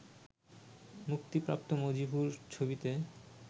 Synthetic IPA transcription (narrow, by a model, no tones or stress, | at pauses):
muk̚t̪ipɾa̰pt̪omod͡ʑibʱuɾt͡ɕʰobit̪e